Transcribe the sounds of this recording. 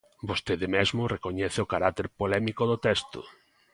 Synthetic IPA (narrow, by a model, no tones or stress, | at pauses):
bost̪eðɪmezmʊrekoɲɛθɪokaɾak̚t̪eɾpolɛmikoðʊt̪ɛst̪ʊ̰